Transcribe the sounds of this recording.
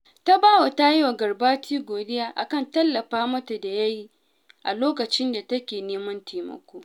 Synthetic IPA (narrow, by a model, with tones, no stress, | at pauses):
ta˦baː˦wa˨ta˦ji˦wa˨ɡɐ˨rbaː˦tiː˦ɡʷoː˨dɪ˦jaː˦ʔa̰˨kɐ˦˨ntɐ˦lːɐ˨ɸaː˦mɐ˦ta˨da˨jɐ˦ji˦ | ʔa˨loː˦kɐ˨t͡ʃɪ˦nda˨tɐ˦kʲeː˨neː˦mɐ˦ntʰeː˨mɐ̰˨kʷoː˦